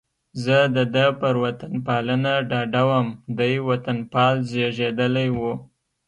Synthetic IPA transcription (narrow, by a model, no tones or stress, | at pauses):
zəd̪əd̪əpəɾwat̪anpɑlənaɖɑɖawəmd̪ujwat̪anpɑlzeʒed̪əlajwu